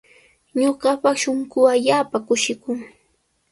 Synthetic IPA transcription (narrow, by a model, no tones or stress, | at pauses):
ɲoɢɑpɑχʃoŋkʊaʎaːpakʊʃɪkʊŋ